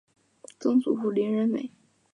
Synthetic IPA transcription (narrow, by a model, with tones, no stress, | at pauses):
t͡sɤ˥ŋt͡su˨˩fu˥˩li˧˥nɻə˧˥nmḛ˨˩˦ɪ